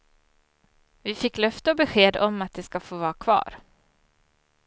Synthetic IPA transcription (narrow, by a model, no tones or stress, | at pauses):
vɪfɪkːlœft̪əɔbɛɧeːd̪ɔmːat̪̚d̪ɛskafoːvɑːɾakʰvɑ̰ːɾ